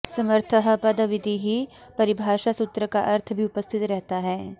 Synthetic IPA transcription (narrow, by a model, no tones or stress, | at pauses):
sɐməɾt̪ʰəɦəpɐd̪əʋɪd̪ʱiɦi | pɐɾɪbʱaːʃasʊt̪ɾəka̰ʔɐɾt̪ʰbʱiʊpəst̪ʰɪt̪ɾɛɦt̪aɦɛː